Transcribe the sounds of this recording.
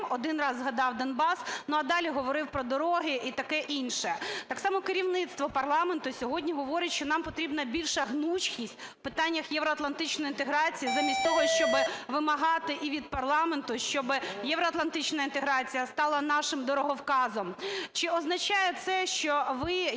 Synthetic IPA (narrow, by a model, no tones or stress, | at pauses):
ɔd̪ɪnrɑzːɦɐd̪ɑwd̪ɐnbɑsnʊɐd̪ɑlʲiɦɔʋɔɾɪwpɾɔd̪ɔɾɔɦɪʔit̪ɐkɛʔinʃɛt̪ɑksɑmɔkɪɾʲiwnɪt̪st̪ʋɔpɐrlˠɑment̪ʊsʲɔɦɔdʲnʲiɦɔʋɔɾʲɪtʲʃt͡ʃɔnɑmpɔt̪ɾʲibnɐbʲilʲʃɐɦnut͡ʃkʲisʲtʲ | pɪt̪ɑnʲːɐxjɛʋɾɔɐt̪lˠɐnt̪ɪt͡ʃnɔjint̪eɦɾɑt͡sʲijizɐmʲisʲt̪ɔɦɔʃt͡ʃɔbɪʋɪmɐɦɑt̪ɪʔiʋʲid̪̚pɐrlˠɑment̪ʊʃt͡ʃɔbɪjɛʋɾɔɐt̪lˠɐnt̪ɪt͡ʃnɐint̪eɦɾɑt͡sʲijɐst̪ɑlˠɐnɑʃɪmd̪ɔɾɔɦɔwkɑzɔmt͡ʃɪɔznɐt͡ʃɑjɛt̪sɛʃt͡ʃɔʋɪ